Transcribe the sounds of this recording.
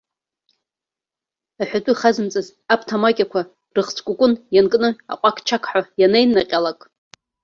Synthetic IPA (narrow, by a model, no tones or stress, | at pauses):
aħʷᶣatʷʼʊiχazɨmt͡sʼɨz | apʰtʰamakʲʼakʷʰa | rɨχt͡sʰʼkʷʼʊkʷʼʊnjankʼnɨa̰qʷʼakʰʼt͡ʃʰakʰʼħajanejnːaqʲʼalakʼ